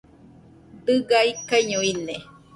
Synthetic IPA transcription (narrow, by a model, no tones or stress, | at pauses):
d̪ɨɡaikaiɲuine